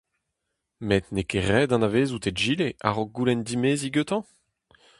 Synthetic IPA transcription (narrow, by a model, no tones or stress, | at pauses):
met̪nekeʁɛːd̪ɑ̃naveːzut̪edʒilea̰ʁɔɡ̚ɡːulɛnd̪imeːziɡøt̪ɑ̃